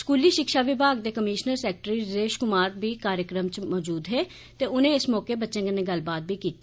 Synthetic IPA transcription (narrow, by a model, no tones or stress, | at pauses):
skuːliːʃɪkʃaːʋɪbʱaːɡd̪eːkəmiːʃnəɾsɛːk̚ʈɾiːɾeːʃkʊmaːɾbiːkaːɾjəkɾəmt͡ʃmɔːd͡ʒuːd̪ɦeː | t̪eːʊnẽːɪsmɔːkeːbətːʃẽːɡənːẽːɡəlbaːt̪̚biːkiːt̪eː